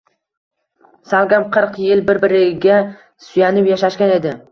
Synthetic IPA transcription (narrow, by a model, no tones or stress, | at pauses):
salˠɡʲamqʰɨɾqjɪlbɪɾbɪɾɪɡʲa | sʊjanɪpjaʃaʃkʲane̞d̪ɪ